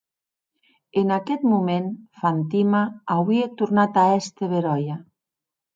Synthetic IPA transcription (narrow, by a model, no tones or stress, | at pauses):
enakɛt̪mumenfant̪imaːwiet̪uɾnat̪aɛst̪eβeɾɔja